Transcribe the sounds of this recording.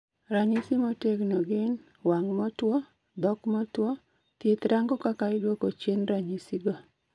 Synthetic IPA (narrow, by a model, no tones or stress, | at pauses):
ɾaɲisimɔteɡnɔɡɪn | waŋmɔtwɔ | d̪ɔkmɔtwɔ | t̪jet̪ɾaŋɡɔkakaɪdwokot͡ʃjenɾaɲisiɡɔ